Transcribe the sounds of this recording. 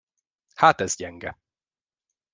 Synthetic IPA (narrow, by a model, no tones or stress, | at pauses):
haːt̪ɛzɟɛŋɡɛ